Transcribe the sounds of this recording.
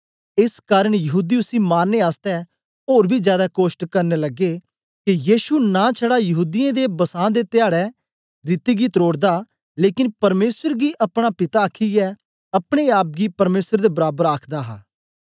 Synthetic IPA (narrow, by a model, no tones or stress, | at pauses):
ɪskaːɾəɽ̃jɐɦuːd̪iːʊsiːmaːnːeaːst̪ɛ | oːɾbʱiːzjaːd̪aːkoːʃʈkəɾnelɐɡeː | kijiːʃunãːt͡ʃʰəɽaːjɐɦuːd̪ijẽːd̪ebɐsãːd̪eːt̪ɪjaːɽɛ | ɾɪt̪iɡit̪ɾoːɽd̪aː | leːkɪnpɐɾmeːsəɾɡiːʔɐpɽ̃aːpɪt̪aːkʰiɛː | ɐpɽ̃eaːp̚ɡipɐɾmeːsəɾd̪ebɐɾaːbəɾaːkʰd̪aːɦaː